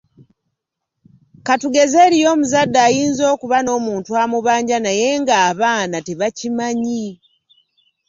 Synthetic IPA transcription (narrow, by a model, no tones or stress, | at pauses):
katuɡe̞zeːɾijo̞ːmuzadːaːjiːnzo̞ːkuβano̞ːmuːntuamuβaːɲɟanaje̞ŋɡaːβaːnateβacimaɲi